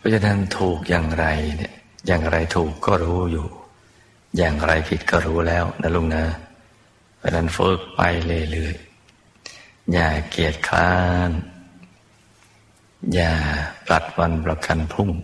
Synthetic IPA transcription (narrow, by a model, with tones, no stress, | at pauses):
pʰɔː˦˥˩t͡ɕʰa˧˥na˦˥nt̪ʰuː˨˩k̚jaː˨˩ŋɾa˧jn˥˩jaː˨˩ŋɾa˧jt̪ʰuː˨˩kːɔː˥˩ɾuː˦˥juː˨˩ | jaː˨˩ŋɾa˧jpʰi˨˩t̪̚kɔː˥˩ɾuː˦˥lɛː˦˥˩wnʔa̰˦˥lu˥˩ŋna˦˥ | pʰɔ˦˥˩na˦˥˩nfɤː˦˥˩k̚pa̰˧jlɤː˧jlɯː˧˩əj | jaː˨˩ki˨˩ət̪̚kʰlaː˦˥˦n | jaː˨˩pla˨˩t̪̚wa˧npla˨˧˩ka˧npʰu˥˩ŋ